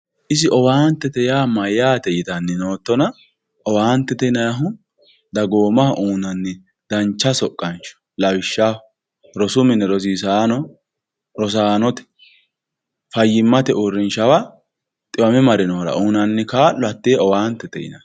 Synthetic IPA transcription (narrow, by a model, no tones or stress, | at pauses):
ʔɪsɪʔɔwaːnt̪ːɛt̪ɛjaːmɐjaːt̪ɛjɪt̪ɐnːɛnoːt̪ːɔnɐ | ʔɔwaːnt̪ːɛt̪ɛnɐjɐɦʊ | d̪ɐɡoːmɐhʔuːnɐnːɛ | d̪̥ɐnt͡ʃːɐsɔkʼːɐnt͡ʃɔ̥ | lɐwɪʃːa | ɾɔsʊmɪnːɛɾɔs̬iːsaːnɔ | ɾɔs̬aːnɔt̪ɛ̥ | fɐjːɪmːɐt̪ɛʊɾːɪnʃɐwa | t̪ʼɪwɐmɛmɐɾɪnoːɾɐ̰ʔuːnɐnːɛkaːlːɔɐt̪ːeːɔwaːnt̪ːɛt̪ɛ̰jɪ̰nɐ